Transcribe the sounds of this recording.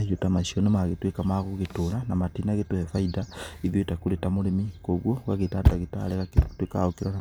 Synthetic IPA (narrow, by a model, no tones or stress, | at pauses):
jotamasionemaɣetwekamaɣuɣetolanamatinaɣetohefaidaiðjotakuɾetamoɾemikoɣwoɣaɣetadaɣeta̰leɣaketweka̰okiɾaa